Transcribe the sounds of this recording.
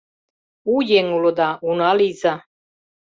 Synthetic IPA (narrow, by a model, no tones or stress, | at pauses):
ujeŋulod̪aunaliza